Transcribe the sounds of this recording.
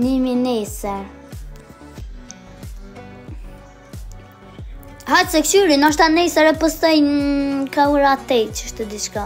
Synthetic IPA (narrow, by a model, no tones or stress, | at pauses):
niminɛsɛɾ | hasɛkt͡ʃyɾinaʃ̬t̪anɛsɛɾɛpəst̪ɔjnkauɾat̪ɛt͡ʃəʃt̪əd̪it͡ʃka